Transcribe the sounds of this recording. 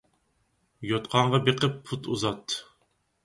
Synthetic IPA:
jot̪qʰɑɴʁɑbeqʰəpːʰut̪ʰuzɑt̪ː

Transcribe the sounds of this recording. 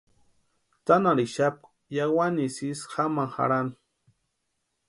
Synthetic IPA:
t̪anaɾiʃap̚k | jawanisisxamaŋxa̰ɾani

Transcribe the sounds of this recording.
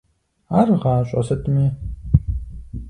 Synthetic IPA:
arʁaːɕʷʼɐ̰sɐtʼmi

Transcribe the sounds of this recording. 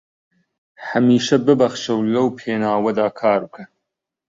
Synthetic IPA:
hɐmiːʃɐbɨbɐxʃɐwlɐwpʰeːnaːwɐd̪aːkʰaːɾɨkʰɐ

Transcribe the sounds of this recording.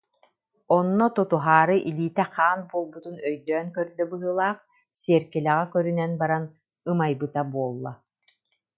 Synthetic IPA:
ɔnːɔt̪ɔt̪uɦaːɾɯʔiliːt̪ɛχaːnbuɔlˠbut̪unœjd̪œːnkœɾd̪œbɯɦɯlˠaːχ | siɛɾkilɛʁɛkœɾynɛnbaɾan | ɯmajbɯt̪abuɔlˠːa

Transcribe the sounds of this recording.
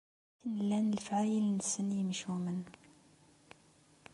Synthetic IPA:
inlænəlfʕajəlnəsənjəmʃumən

